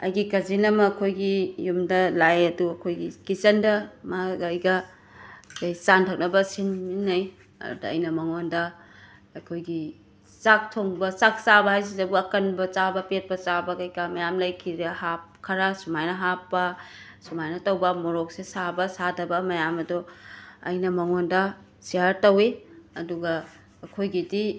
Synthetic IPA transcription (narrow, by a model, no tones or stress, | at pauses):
ɐ̰jɡikɐzinɐmɐkʰojɡijumdɐlajɐduɐkʰojɡikit͡ʃɐndɐmɐɡɐjɡɐ | kɐjt͡ʃantʰɐk̚nɐbɐsinminːɐj | ɐ̰dudɐ̰ːjnɐmɐŋondɐ | ɐkʰojɡi | sak̚tʰoŋbɐt͡ʃak̚t͡ʃabɐhajs̬izɐbuɐkɐnbɐt͡ʃabɐpet̚pɐt͡ʃabɐkɐjkʰɐmɐjamlɐjkʰiɾɐhap̚kʰɐɾɐsumajnɐɦapːɐ | sumajnɐtɐwbɐmoɾok̚sesabɐsadɐbɐmɐjamɐdoɐ̰jnɐmɐŋondɐ | siaɾtɐwiɐduɡɐː | kʰojɡidi